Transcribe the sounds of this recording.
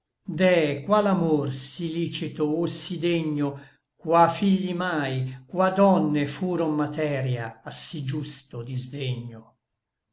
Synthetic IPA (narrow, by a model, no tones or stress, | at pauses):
d̪ɛkwalamorsiliːt͡ʃit̪oosid̪eɲːo | kwafiʎːimajkwad̪ɔnːefuːɾommat̪ɛɾjaːsid͡ʒust̪od̪izd̪eɲːo